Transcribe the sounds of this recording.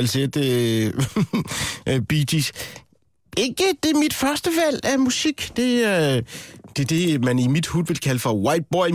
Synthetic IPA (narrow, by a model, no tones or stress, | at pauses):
elseɐd̥ə | b̥idis | e̝ɡ̥əd̥e̝mid̥fɶɐsd̥əʋæl̰æmusiɡ̥d̥e̝ | d̥e̝d̥e̝mænimid̥hudʋe̝lkʰæləfɒ̽wɑ̈ɪ̰d̥̚b̥ɒɪ